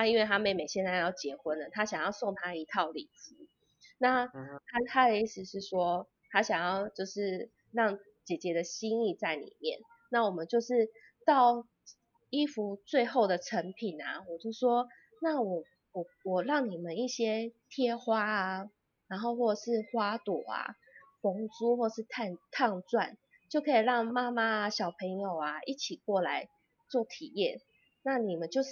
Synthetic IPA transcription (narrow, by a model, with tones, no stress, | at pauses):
t̪ʰa˥i˥nwe˥˩ɪt̪ʰa˥me˧˥ɪme˨˩ɪɕjɛ˥˧nt͡sa˥˧ɪ˧jɑ˥˩ʊt͡ɕjɛ˧˥xwə˦nə˨t̪ʰa˦ɕjɑ˨˩ŋjɑ˥˧ʊso˥˩ŋt̪ʰa˥i˧˥t̪ʰɑ˥˩ʊlḭ˨˩t͡sɹ̩˧˦ | na˥˩t̪ʰa˥t̪ʰa˥ə˨i˥˩sɻ̩˨ʂɻ̩˥˩ʂwɔ˦˥ | t̪ʰa˥ɕjɑ˨˩ŋjɑ˥˩ʊt͡ɕjo˥˧ʊʂɻ̩˥˧ | ɻɑ˥˩ŋ | t͡ɕjɛ˨˩t͡ɕjɛ˨˥d̪ə˨ɕi˦ni˥˧t͡sa˥˩ɪnḭ˨˩mjɛ˥˩n | na˥˩wɔ˨˩mə˨˦nt͡ɕjo˥˧ʊʂɻ̩˥˧ | t̪ɑ˥˩ʊ | i˥fu˧˥t͡swe˥˧ɪxo˥˩ʊd̪ə˩ʈ͡ʂʰə˧˥ŋpʰi˨˩nɐ˩wɔ˨˩t͡ɕjo˥˩ʊʂwɔ˦˥ | na˥˩wɔ˨˩ | wɔ˨˩wɔ˨˩ɻɑ˥˨˩ŋni˨˩mə˨ni˥˩ɕjɛ˥t̪ʰjɛ˥xwa˦˥a˨ | na˧˦nɦo˥˧ʊxwɔ˥˩ə˨˩ʂɻ̩˥˨xwa˥t̪wɔ˨˩a̰˨˩ | fɔ˧˥ŋt͡su˥xwɔ˥˩ə˨˩ʂɻ̩˥˧t̪ʰa˥˧nt̪ʰɑ˥˧ŋt͡swa˥˩n | t͡ɕjo˥˩ʊkʰɤ˧˥i˨˩ɻɑ˥˩ŋma˥ma˦˧ɕjɑ˨˩ʊpʰə˧˥ŋjo˨˩ʊa˩i˥˩t͡ɕʰi˨˩kwɔ˥˩la˧˦ɪ | t͡swɔ˥˨t̪ʰi˨˩jɛ˥˨n | na˥˨ni˨˩mə˨˦nt͡ɕjo˥˧ʊ˥˩